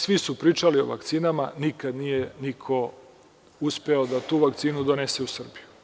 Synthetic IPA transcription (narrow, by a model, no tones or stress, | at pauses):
sʋisupɾiːt͡ʂalio̞̰ʋa̰kt̪siːnamanikad̪nijenikʰo̞ | uspeod̪at̪uːʋakt̪siːnud̪oneseusr̩biju